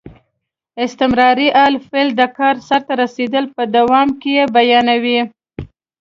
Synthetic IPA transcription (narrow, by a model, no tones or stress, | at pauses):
ɪst̪ɪmɾɑɾiʔɑlfeld̪əkɑɾsaɾt̪aɾased̪əlpəd̪awɑmkejebajɑnawi